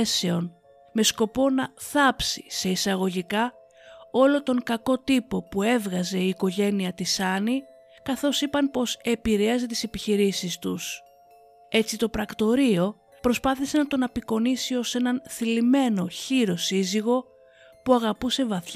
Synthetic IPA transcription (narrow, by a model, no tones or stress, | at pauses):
se̞o̞n | me̞sko̞po̞nɐθɐpsi̥se̞isɐɣo̞ʝikɐ | o̞lo̞t̪o̞ŋkɐko̞t̪ipo̞pue̞vɣɐze̞iːko̞ʝe̞niɐt̪isɐni | kɐθo̞sipɐnpo̞se̞piɾe̞ɐzet̪i̥se̞piçiɾisist̪us | e̞t͡sit̪o̞pɾɐkt̪o̞ɾio̞ | pɾo̞spɐθise̞nɐt̪o̞nɐpiko̞nisio̞se̞nɐnθilime̞no̞çiɾo̞siziɣo̞ | puɐɣɐpuse̞vɐθ